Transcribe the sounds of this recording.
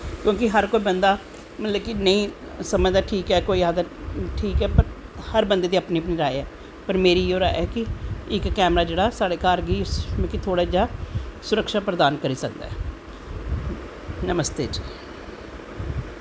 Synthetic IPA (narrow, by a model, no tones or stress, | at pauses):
kjõːkɪɦəɾkoːiːbənd̪aː | mələbkɪnəĩː | səmə̃d̪aːʈʰiːkɛːkoːiːaːd̪aʈʰiːkɛːpəɾhəɾbənd̪eːd̪iːəpniːpniːɾaːeɛː | pəɾmeːɾiːoːɾa̰ːɛːkɪɪkːɛːmɾaːd͡ʒeːɽaːsaːɽeːkaːɾɡiːsmẽːkɪt̪ʰoːɽaːd͡ʒaːsʊɾəkʃaːpɾəd̪aːnkəɾiːsək̚d̪a̰ːɦɛː | nəməst̪eːd͡ʒiː